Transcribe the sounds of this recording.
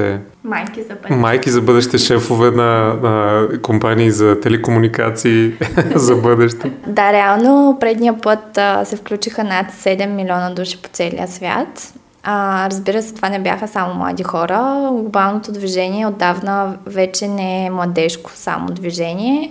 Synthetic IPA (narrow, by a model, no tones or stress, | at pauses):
ɛ | majkimajkizɐbɤd̪ɛʃi̥t̪ɛʃɛfovɛnɐnɐkompaniːzɐt̪ɛlɛkomunika̰t̪siːzɐbɤd̪ɛʃt̪ɛd̪aɾɛalˠnopɾɛd̪nijəpɤt̪sɛfklʲut͡ʃixənat̪sɛd̪ɛmːilʲiɔnəd̪uʃi̥po̥t̪sɛlḭjəsvʲja̰t̪ | ɾɐzbiɾəsɛ̥t̪ovanɛbʲja̰xəsamomlˠa̰d̪ixɔɾəɡlˠobalˠnot̪od̪viʒɛniɛod̪ːavnəvɛt͡ʃɛnɛɛmlˠɐd̪ɛʃko̥sa̰mo̰d̪viʒɛniɛ